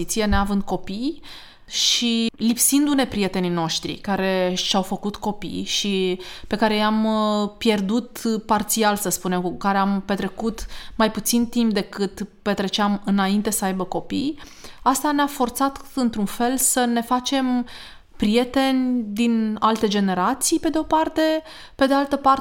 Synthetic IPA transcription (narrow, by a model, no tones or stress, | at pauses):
it̪sijeneavɨnd̪̚ko̞pij | ʃilipsind̪une̞pɾije̞t̪e̞nino̞ʃt̪ɾḭkaɾe̞ʃawfəkut̪ko̞pḭjʃipe̞kaɾe̞jampje̞rd̪ut̪part̪sialsəspune̞mkuukaɾe̞ampe̞t̪ɾe̞kut̪ːajput̪sint̪imp̚d̪e̞kɨt̪pe̞t̪ɾe̞t͡ʃeamɨnaint̪e̞səajbəko̞pḭjast̪aneafo̞rt̪sat̪ɨnt̪ɾunfe̞lsəne̞fat͡ʃe̞m | pɾije̞t̪e̞nʲd̪inalt̪e̞d͡ʒe̞ne̞ɾat̪sijpe̞d̪eo̞part̪e̞ | pe̞d̪ealt̪əpar